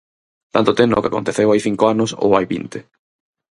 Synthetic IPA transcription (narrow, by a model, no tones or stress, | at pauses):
t̪ant̪ʊt̪eno̰kako̰nt̪eθewajθiŋkoanʊso̰wajβḭnt̪ɪ